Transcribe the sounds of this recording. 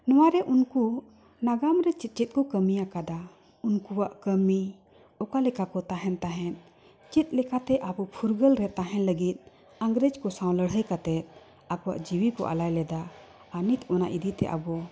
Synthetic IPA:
nɔwaɾɛʔunku | naɡamɾɛt͡ʃit̪̚t͡ʃit̪̚kɔkəmijakad̪a | unkuwaʔkəmi | ɔkalɛkakɔt̪aɦɛnt̪aɦɛn | t͡ʃit̪̚ˀlɛkat̪ɛʔabɔpʰuɾɡəlɾɛt̪aɦɛ̃nləɡit̪̚ | aŋɡɾɛd͡ʒkɔsãw̃ləɽɦəjkat̪ɛt̪̚ | akɔwa̰ʔd͡ʒiwikɔ̰ʔa̰lajlɛd̪aː | nit̪ʰɔna̰ʔid̪it̪ɛ̰ʔa̰bɔ

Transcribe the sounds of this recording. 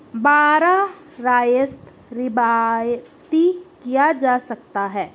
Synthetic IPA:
baːɾa | ɾaːjəst̪ | ɾɪbaːjt̪ikijad͡ʒaːsɐk̚t̪aɦɛː

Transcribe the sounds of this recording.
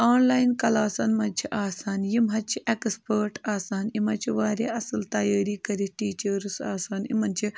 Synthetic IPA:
aːnlaːjnkɐlaːsaːnmɐnʲt͡ʃʰiʔaːsaːnjimɦɐt͡ʃʰiʔekspəːɾʈaːsaːnimɐt͡ʃʰiʋaːɾʲeːɐsɐlt̪ɐjaːɾiːkɐɾiʈiːt͡ʃɐɾɨsa̰ːsaːnḭmɐnt͡ʃʰi

